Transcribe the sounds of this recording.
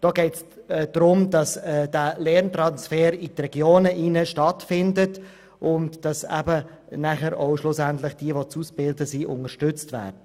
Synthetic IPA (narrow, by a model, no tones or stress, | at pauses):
d̥oːɡɛɪts | d̥ɾʊmd̥ɑsɛd̥ælɛrnt̪ɾɑnsfɛːɾitrɛɡ̥joːnəʔinəʃtɑtfɪndət | ʔʊntd̥ɑsɛ̰bə | næχəɾoʊʃlʊsæntlɪχd̥iəʋot͡susb̥ɪldəsiʔʊ̰ŋəʃtʏt͡stvæ̰ːɾdə